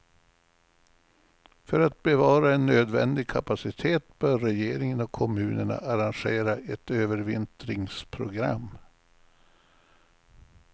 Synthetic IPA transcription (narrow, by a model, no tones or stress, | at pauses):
fœɾat̪̚bɛvɑːɾaɛnːøːd̪vɛ̰nd̪ɪɡ̚kʰapasɪt̪ʰeːt̪bœːɾːɛjeːɾɪŋənɔkʰɔmʉ̟ːnəɳa̰ʔaɾanɧeːɾaʔɛt̪øːvəɾvɪnt̪ɾɪŋspʰɾʊɡɾa̰mː